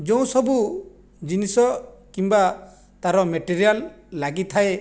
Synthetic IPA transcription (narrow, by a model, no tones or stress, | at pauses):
d͡ʒɔ̃w̃sɔbu | d͡ʒinisɔkimba | t̪aɾɔmeʈiɾialːaɡit̪ʰae